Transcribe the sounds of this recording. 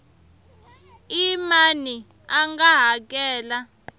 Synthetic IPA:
imani | aŋɡaɦak̬ʼɛːla

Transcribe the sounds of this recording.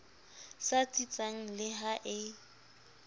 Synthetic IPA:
sat͡sʼit͡sʼaŋ̩lɪɦaʔɪ

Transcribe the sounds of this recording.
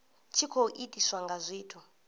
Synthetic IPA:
t͡ʃʰikʰoʔitʼiswaŋɡazʷiːtʰu

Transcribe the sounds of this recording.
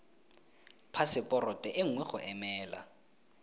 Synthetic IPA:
pʰasɪpʼɔrɔtʼɛʔɪŋ̩wɛχʊʔɛmɛːla̰

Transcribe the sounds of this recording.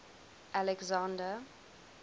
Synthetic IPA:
ʔalɛɡzãndə

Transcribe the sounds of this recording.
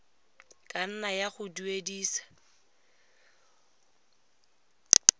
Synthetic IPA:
kʼan̩najaχʊduediːsḁ

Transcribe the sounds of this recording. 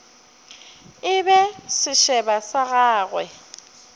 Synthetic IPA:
ɪbɛsɪʃɛbasaɣaːɣwɛ

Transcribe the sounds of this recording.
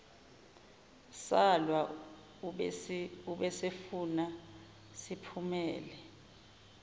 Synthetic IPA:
salwa | uɓɛsefuna | sipʰumɛːlɛ

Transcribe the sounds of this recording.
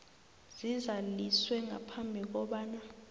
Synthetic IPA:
z̥izaliswɛŋa̰pʰambʱik̬ɔɓaːna

